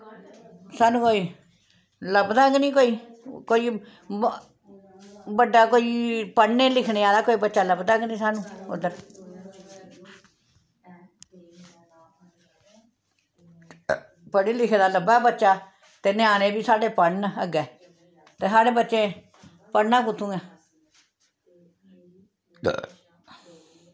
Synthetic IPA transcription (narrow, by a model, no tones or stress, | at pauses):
saːnũːkoːiː | ləbd̪aːɡniːkoːiːkoːiː | bəɖːaːkoːiːpəɳːeːlɪkʰneːaːd̪aːkoːiːbətːʃaːləbd̪aɡnĩːsaːnũːʊ̰d̪əɾ | pəɽiːlɪkʰed̪aːləbaːbətːʃaː | t̪eneaːnẽːbiːsaːɖeːpəɳəɡɛː | t̪eːsaːɖeːbətːʃẽː | pəɳːãːkʊt̪ʰːũːɛː